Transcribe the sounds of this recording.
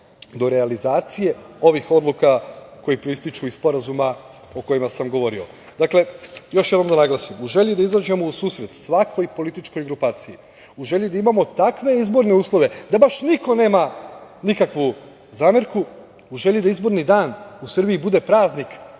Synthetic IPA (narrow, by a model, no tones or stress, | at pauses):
d̪o̞ɾealizaːt̪sijeo̞ʋixo̞d̪lukako̞jipɾist̪it͡ʃuispo̞ɾazuma | o̞ko̞jimasamɡo̞ʋo̞ɾio̞̰ | d̪akle̞jo̞ʃjed̪no̞md̪anaɡlˠasimuʒe̞ʎid̪aizaːd͡ʒe̞mousuːsɾet̪sʋakʰo̞jpo̞lit̪it͡ʃko̞jɡɾupaːt̪siji | uʒe̞ʎid̪aimamo̞t̪akʋe̞izbo̞ɾne̞uːslˠo̞ʋe̞d̪abaʃniko̞ne̞ːmanikakʋu | zaːmeɾku | uʒe̞ʎid̪aizbo̞ɾnid̪aːnusr̩biibud̪e̞pɾaːznik